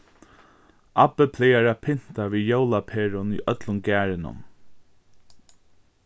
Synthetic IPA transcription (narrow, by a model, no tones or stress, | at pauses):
ʔapəpʰlɪjaɾapʰɪn̥t̪aviːjowlapʰeːɾʊnḭʔœt̪lʊnɡæːɹɪnʊ̰m